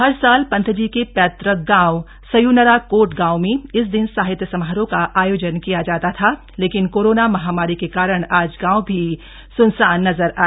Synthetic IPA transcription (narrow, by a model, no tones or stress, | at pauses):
ɦɐɾsaːlpɐ̃nt̪ʰd͡ʒiːkepɛːt̪ɾəɡãːʊ | sɐjunəɾakoːʈɡãːwmẽɪs̬d̪ɪnsaːɦɪt̪jəsɐmɦaɦɾõkaʔaːjoːd͡ʒənkijad͡ʒaːt̪at̪ʰa | leːkɪnkoːɾoːnamɐɦaːmaːɾikekaːɾəɽ̃aːd͡ʒɡãːwbʱi | sʊnsaːnːɐzəɾaː